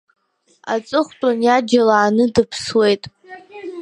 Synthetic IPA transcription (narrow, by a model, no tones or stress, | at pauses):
a̰t͡sʼɨχʷtʼanjad͡ʒalaːnɨdɨpʰswe̞jtʼ